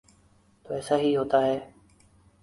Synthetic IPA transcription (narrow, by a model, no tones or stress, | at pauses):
t̪oːɛːsaːɦiːɦoːt̪aːɦeː